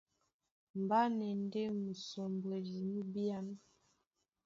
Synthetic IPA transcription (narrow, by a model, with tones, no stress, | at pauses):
m˨ba˦nɛ˨n˦dɛ˦mu˨sɔ˨mbwe˨li˨mu˦bi˦a˦n˦